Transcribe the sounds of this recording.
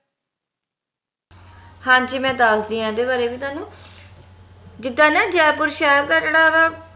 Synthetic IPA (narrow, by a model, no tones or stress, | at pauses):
hãːnt͡ʃiːmɛ̃ːd̪aːsd̪iːãːɛd̪eːbaːɾeːbiːt̪waːnũː | d͡ʒɪd̪ːãːnɛ̃ːd͡ʒɛːpʊɾʃaːɾkəɾɽaːɡaː